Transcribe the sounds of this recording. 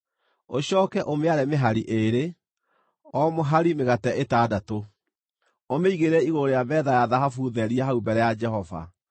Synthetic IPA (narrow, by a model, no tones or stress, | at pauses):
oɕɔːkɛʔomeaɾemeɦaɾiʔeɾe | ɔmoɦaɾimeɣatɛʔetaːdato | omeiɣeɾɛiɣooɾejabɛðajaðaɦafuːðɛɾiɛɦaubɛɾɛjad͡ʒɛhɔva̰